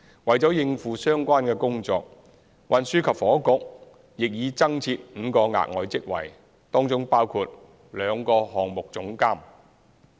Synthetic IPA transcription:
wɐ˨jt͡sɔː˨˥jɪ˧ŋfuː˨˩sœː˥ŋkʷaː˥nkɛː˧kʊ˥ŋt͡sɔː˧k̚ | wɐ˨nsyː˥kʰɐ˨p̚fɔː˨˥kʊ˨˧k̚ | jɪ˨k̚jiː˨˧t͡sɐ˥ŋt͡sʰiː˧t̚m̩ː˨˧˥kɔː˧ŋa̰ː˨k̚ŋɔː˨jt͡sɪ˥k̚wɐ̰˨˩j | t̪ɔː˥ŋt͡sʊ˥ŋpaː˥wkʰuː˧t̚ | lœː˨˧ŋkɔː˧hɔː˨ŋmʊ˨k̚t͡sʊ˨˥ŋkaː˥m

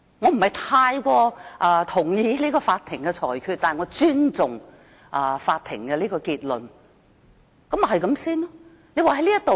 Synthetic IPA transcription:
ŋɔ˨˧m̩˨˩hɐ˨˩jt̪ʰaː˧jkʷɔː˧ʔɐː˨˧t̪ʰʊ˨˩ŋjiː˧liː˥kɔː˧faː˧t̪ʰɪ˨˩ŋkɛ˧t͡ʃʰɔː˨˩jkʰyː˧t̚t̪aː˨ŋɔː˨˧t͡ʃyː˥nt͡sʊ˨˩ŋ | ʔɐ˨˧faː˧t̚t̪ʰɪ˨˩ŋkɛ˧liː˥kɔː˧kiː˧t̚lɵ˨n | kɐ˨˥m˨˩ɦɐ˨jkɐ˨˦msiː˥nlɔ˥ | ne˨˧jwaː˨˧ɦɐ˨˦jliː˥jɐ˥t̪o˨

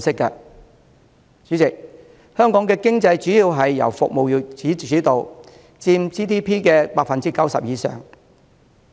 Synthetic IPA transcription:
sɪ˥kːɐ˧ | t͡sy˨˥t͡sɪ˨k̚ | hœː˥ŋkɔː˨˥ŋkɛː˧kɪ˥ŋt͡sɐ˧jt͡ʃyː˨˥jiː˧wɦɐ˨jːɐ̰˨˩wfʊ̰˨k̚mo˨wjy˨˩t͡siː˨˥yː˨˥t̪o˨w | t͡siː˧mt͡siː˥t̪ʰiː˥pʰiː˥kɛː˧paː˧k̚fɐ˨nt͡siː˥kɐ˨˥wsɐ̰˨p̚jiː˨˧sœ̰ː˨ŋ

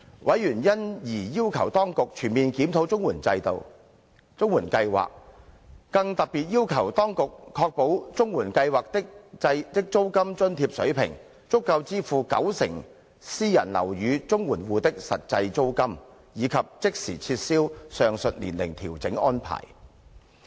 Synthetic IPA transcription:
wʔɐ˨˥jɥyː˨˩njɐ˥njiː˨˩jiː˥wkʰɐ˨˩wt̪ɔː˥ŋkʊ˨k̚t͡ʃʰyː˨˩nmiː˨nkiː˨˥mt̪ʰo˨˥wt͡sʊ˥ŋwuː˨˩nt͡sɐ˧jt̪o̰˨w | t͡sʊ˥ŋwuː˨˩nkɐ˧jwa̰ː˨k̚ː | ɐ˧ŋt̪ɐ˨k̚piː˨t̚jiː˥wkʰɐ˨˩wt̪ɔː˥ŋkʊ˨kʰːɔː˧k̚po˨˥wt͡sʊ˥ŋwuː˨˩nkɐ˧jwaː˨˩k̚t̪ɪ˥k̚t͡sɐ˧jt̪ɪ˥k̚t͡so˥wkɐ˥mt͡sɵ˥nt̪ʰiː˧p̚sɵ̰˨˥ɥpʰɪ̰˨˩ŋ | t͡sʊ˥kːɐ˧wt͡siː˥fuː˨kɐ̰˨˥wsɪ˨˩ŋ | siː˥jɐ̰˨˩nlɐ̰˨˩wjyː˨˧t͡sʊ˥ŋwuː˨˩nwuː˨t̪ɪ˥k̚sɐ̰˨t̚t͡sɐ˧jt͡so˥wkɐ˥m | jiː˨˧kʰɐ˨p̚t͡sɪ˥k̚sḭː˨˩t͡sʰiː˧t̚siː˥wsœː˨˧ŋsɵ˨t̚lḭ˨˩nlɪ̰˨˩ŋt̪ʰiː˨˩wt͡sɪ˨˥ŋɔː˥npʰa̰ː˨˩j

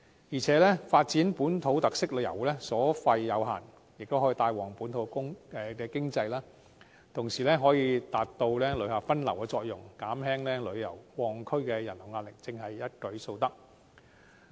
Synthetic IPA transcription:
jiː˨˩t͡sʰɛː˨˥lɛː˥faː˧t̚t͡siː˨˥npuː˨˥nt̪ʰo˨˥wt̪ɐ˨k̚sɪ˥k̚lɵ˨˧ɥjɐ̰˨˩wlɛː˥sɔː˨˥fɐ˧jːɐ˨˧wɦa̰ː˨˩n | jɪ˨k̚t̪o˥wɦɔ˨˥iː˧t̪aː˧jwɔː˨˩ŋpuː˨˥nt̪ʰo˨˧wkʊ˥ŋɛ˨˧kɛː˧kɪ˥ŋt͡sɐ˧jlaː˥ | t̪ʰʊ˨˩ŋsiː˨˩lɛː˥ɦɔː˨˥jiː˧t̪aː˨t̚t̪ːo˧wlɛː˥lɵ˨˥ɥhaː˨˧fɐ˥nlɐ˨˩wkɛː˧t͡sɔː˧k̚jʊ˨˩ŋkaː˨˥mɦɛː˥ŋlɛː˥lɵ˨˧ɥjɐ̰˨˩wwɔː˨˩ŋkʰɵ˥ɥkɛː˧jɐ˨˩nlʊ˨˩ŋaː˧tlɪ˨˩k̚t͡sɪ˧ŋɦɐ˨jːɐ˥t̚kɵ˨˥ɥso˧wt̪ɐ˥k̚

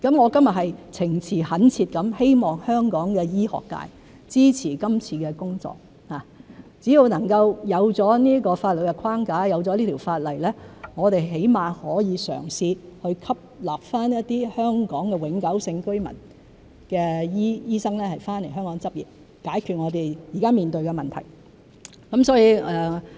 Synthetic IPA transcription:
kɐ˨˥mŋɔː˨˧kɐ˥mjɐ˨t̚hɐ˨jt͡sʰɪ˨˩ŋt͡sʰiː˨˩hɐ˨˥nt͡sʰiː˧t̚kɐ˨˥mhe˥jmɔː˨ŋhœː˥ŋkɔː˨˥ŋkɛː˧jiː˥hɔ̰ː˨kːa̰ː˧j | t͡siː˥t͡sʰiː˨˩kɐ˥mt͡sʰiː˧kɛː˧kʊ˥ŋt͡sɔ̰ː˨k̚ | haː˨t͡siː˨˥ji˨˧wnɐ˨˩ŋkɐ˧wjɐ˨˧wt͡sɔː˨˥niː˥əkɔː˧faː˧t̚lo˨˩kɛ˧kʰwaː˥ŋkaː˨˥jɐ˨˧wt͡sɔ˨˧liː˥t̪ʰi˨˩wfaː˧t̚lɐ˨˩jlɛː˥ŋɔː˨˧t̪e˨jɦe˨˥jmaː˨hɔː˨˥jiː˨˧sœ̰ː˨˩ŋsiː˧hɵ˧ɥkʰɐ˥p̚laː˨p̚faː˥njɐ˥t̚t̪iː˥hœː˥ŋkɔː˨˥ŋkɛː˧wɪ˨˧˥ŋkɐ˨˥wsɪ˧ŋkɵ˥ɥmɐ̰˨˩n | kɛː˧jiː˥jiː˥sɐ˥ŋlɛː˥hɐ˨jfaː˥nle˨˩jɦœː˥ŋkɔː˨˥ŋt͡sɐ˥p̚jḭː˨˩t̚ | kaː˨˥jkʰyː˨˧t̚ŋɔː˨˧t̪e˨jjiː˨˩kaː˥miː˨nt̪ɵ˧ɥkɛ˧mɐ˨˩nt̪ʰɐ̰˨˩j | kɐ˨˥msɔː˨˥jiː˧ʔɛː˨

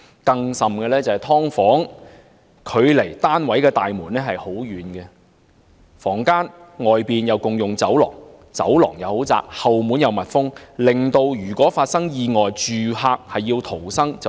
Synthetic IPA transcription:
kɐ˧ŋsɐ˨mkɛː˧lɛː˥t͡sɐ˨hɐ˨jt̪ʰɔː˥ŋfɔː˨˥ŋ | kʰɵ˨˧ɥle˨˩jt̪aː˥nwɐ˨˥jkɛː˧t̪aː˨jmuː˨˩nːɛː˥ɦɐ˨jho˨˥wjyː˨˧nɡɛ˧ | fɔː˨˩ŋkaː˥nŋɔː˨jpiː˨njɐ˨˧wkʊ˨ŋjʊ˨ŋt͡sɐ˨˥wlɔ̰ː˨˩ŋ | t͡sɐ̰˨˥wlɔ̰ː˨˩ŋjɐ˨˧who˨˥wt͡sa̰ː˧k̚hɐ˨wmu˨˥njɐ˨˧wmɐ˨t̚fʊ˥ŋlɪ˨ŋt̪o˧wjyː˨˩kʷɔː˨˥faː˧t̚sɐ˥ŋjiː˧ŋɔː˨jt͡ʃyː˨ɦaː˧k̚hɐ˨jːiː˧wt̪ʰo˨˩wsɐ˥ŋt͡sɐ˨

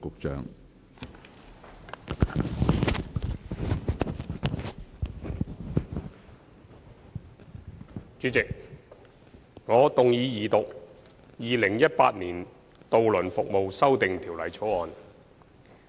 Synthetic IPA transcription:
kʊ˨k̚t͡ʃœ̰ː˨ŋ | t͡ʃyː˨˧˥t͡sɪ˨k̚ | ŋɔː˨˧t̪ʊ˨ŋjiː˨˧˥jiː˨t̪ʊ˨k̚ | jiː˨lɪ˨˩ŋjɐ˥t̚pa̰ː˧t̚niː˨˩n | t̪o˧wlɵ˨˩nfʊ˨k̚mo˨wsɐ˥wt̪ɪ˨ŋt̪ʰiː˨˩wlɐ˨˩jt͡sʰo˨˥ɔː˨n

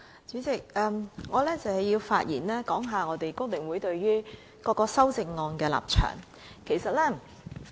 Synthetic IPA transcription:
t͡syː˨˥t͡sɪ˨k̚ɛː˧mŋɔː˨˧lɛː˥t͡sɐ˨whɐ˨ji˧wfa̰ː˧t̚jiː˨˩nlɛː˥kɔː˨˥ŋɦaː˨ŋɔː˨˧t̪e˨jkʊ˥ŋmɪ˨˩ŋwuː˨˥jt̪ɵ˧ɥɥyː˥ | kɔː˧kːɔː˧sɐ˥wt͡sɪ˧ŋːɔː˧nkɛː˧la̰ː˨p̚t͡ʃʰœ̰ː˨˩ŋ | kʰe˨˩jsɐ˨t̚lɛː˥

